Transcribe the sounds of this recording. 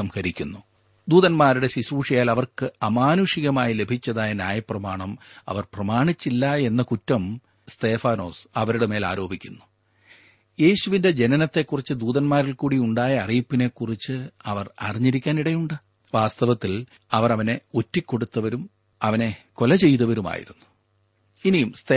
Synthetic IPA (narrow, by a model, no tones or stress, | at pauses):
ɐmhɐɾikʲːunːu | d̪uːðɐnmaːɾuɽe̞ɕiɕuːʂijaːlɐʋɐrkɨɐmaːnuʂiɣɐmaːjile̞bʱit͡ɕːɐðaːjɐnjaːjɐprɐmaːɳɐmɐ̰ʋɐrprɐmaːɳit͡ɕːilːɐe̞nːɐkutːɐm | st̪e̞ːfaːno̞ːsɐʋɐɾuɽeme̞ːla̰ːɾo̞ːbʱikʲːunːu̥ | je̞ːɕuʋinde̞d͡ʑe̞nɐnɐt̪ːe̞kːurit͡ɕːɨd̪uːðɐnmaːɾilkuːɽiuɳɖaːjɐːrijpːine̞kːurit͡ɕːɨɐʋɐrɐ̰riɲːiɾikʲːaːniɽɐjuɳɖɨ | ʋaːst̪ɐʋɐt̪ːil | ɐʋɐrɐʋɐne̞otːikʲːo̞ɽut̪ːɐʋɐɾum | ɐʋɐne̞ko̞lɐt͡ɕe̞jt̪ɐʋɐɾuma̰ːjḭɾunːu̥ | inijumst̪e